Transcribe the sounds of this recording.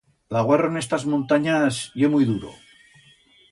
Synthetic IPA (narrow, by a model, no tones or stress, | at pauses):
laɣwaronest̪azmõnt̪aɲasjemujðuɾo̰